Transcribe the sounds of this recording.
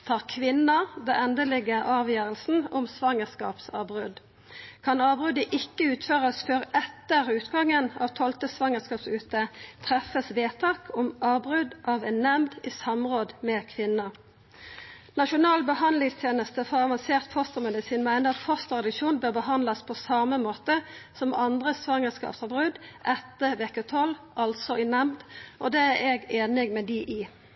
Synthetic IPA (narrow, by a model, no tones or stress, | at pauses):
t̪ʰɑːʁkʰʋɪnəd̪ɑʔɛnd̪əlɪɡəʔɑːʋjøːʁəlsn̩ɔmsʋɑŋəskɑ̰ːpsɑ̰ːbʁʉd̪ | kʰɑnɑːbʁʉd̪əʔɪkːəʉːt̪føːʁəsføːʁɛt̪əʁʉːt̪ɡɑŋːənɑ̰ːʋt̪ʰɔlt̪əsʋɑŋəskɑːpsʉːt̪ət̪ʰʁɛfəsʋeːt̪ʰɑːkʰɔmʔɑːbʁʉd̪ʔɑʋɛnnɛmd̪iːsɑmʁoːd̪mɛkʰʋɪnə | nɑʃʊnɑːlbəhɑnlɪŋst̪ʰjeːnəst̪əfɔʁɑʋɑnseːʁt̪fɔst̪əmɛd̪ɪsiːnmæɪnəɑt̪fɔst̪əʁɑd̪ɪʃuːnbøːʁbəhɑnd̪lɑspʰɔsɑməmoːt̪əsɔmɑnd̪ʁəsʋɑŋːəskɑ̰ːpsɑbʁʉd̪ʔɛt̪ːəʋɛkət̪ʰɔlʔɑlt̪sɔɪnɛmd̪ʔɔd̪eːæʁɛɡeːnɪɡmɛd̪iʔɪ